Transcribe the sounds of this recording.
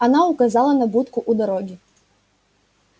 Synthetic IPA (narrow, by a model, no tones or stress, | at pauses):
anaukazalˠɐnɐbut̪kuʔud̪aɾɔɡʲi